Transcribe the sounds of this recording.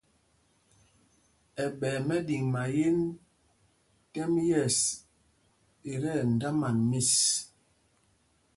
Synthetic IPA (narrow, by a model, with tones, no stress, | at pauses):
ɛ˨ɓɛː˨mɛ˦di˨ŋma˨je˦n | kɛ˦mjɛ˦˨s | e˨ɾɛ˦˨n̩˨da˦ma˨nmi˦˨s